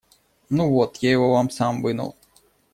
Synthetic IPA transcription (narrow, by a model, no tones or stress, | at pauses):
nuvot̪jaɪvovamsamvɨnə̰lˠ